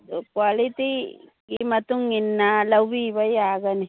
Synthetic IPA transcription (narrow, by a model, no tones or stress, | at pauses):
kwaːlit̪ikimɐt̪uŋːinːalɐwibɐjaːɡɐni